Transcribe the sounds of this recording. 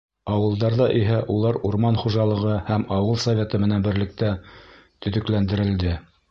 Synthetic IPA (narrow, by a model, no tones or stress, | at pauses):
ɑwɤ̆lˠd̪ɑɾðɑʔiɦæʔulˠɑɾuɾmɑnχuʒɑlˠɤ̆ʁɤhæmɑwɤlˠsɐvʲet̪ɤmɘ̆nænbɘ̆ɾlɘ̆k̚t̪æ | t̪ɵ̆ðɵ̆klænd̪ɘ̆ɾɘ̆ld̪ɘ